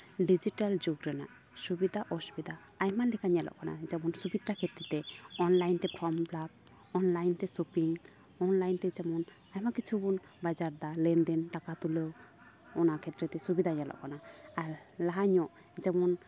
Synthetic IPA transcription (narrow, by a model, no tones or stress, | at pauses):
ɖid͡ʒiʈald͡ʒoɡɾɛna̰ʔ | subid̪ʱaʔɔsu̥bid̪a | ajmalɛkʰaɲalɔ̰ʔkana̰d͡ʒɛmɔnsubid̪ɾakʰɛt̪ɾɛt̪ɛɔnlajnt̪ɛpɾɔmplab̚ | ɔnlajnt̪ɛsupiŋ | ɔnlajnt̪ɛd͡ʒɛmɔn | ajmakit͡ʃʰubun | bad͡ʒaɾd̪alɛnd̪ɛnʈakat̪ulew | ɔnakʰɛt̪ːɾɛt̪ɛsubid̪ʱaɲalɔ̰ʔkanaːɾlaɦaɲɔʔ | d͡ʒɛmɔn